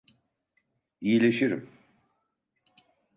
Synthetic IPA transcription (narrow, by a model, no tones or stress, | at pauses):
ijilʲeʃiɾḭm